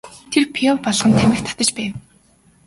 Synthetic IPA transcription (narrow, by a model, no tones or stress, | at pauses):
t̪ʰerpʰiɔwpɔɮʁχə̆nt̪ʰæmʲɪ̆kt̪ʰḁt̪ə̆t͡ɕpæːw